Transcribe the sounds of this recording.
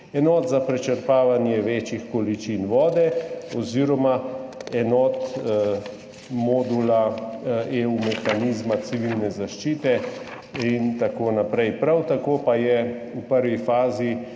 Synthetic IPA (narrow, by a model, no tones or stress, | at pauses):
ɛnɔːt̪zapɾɛt͡ʃəɾpaːʋanjɛʋeːt͡ʃixkɔlit͡ʃinʋɔːd̪ɛɔziːɾɔmaɛnɔːt̪ | mɔːd̪ula | eumɛxaniːzmat̪siʋilnɛzaʃt͡ʃiːt̪ɛ | int̪akoːnapɾɛjpɾawt̪akoːpajɛ | upəɾʋifaːzi